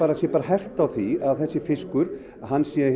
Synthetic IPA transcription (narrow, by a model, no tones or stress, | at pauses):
aːɾasjɛpaːɾaɦɛr̥t̪awθiaðθɛsːɪfɪskʏɾ̥ | aɦanːsjɛ